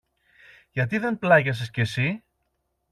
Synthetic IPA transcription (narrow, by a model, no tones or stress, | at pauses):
ʝɐt̪̬iðe̞nplɐʝɐs̬escesi